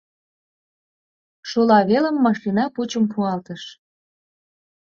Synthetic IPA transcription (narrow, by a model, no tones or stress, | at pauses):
ʃulɑβelə̆mːɑʃlinɑput͡ɕəmpʰuɑlt̪əʃ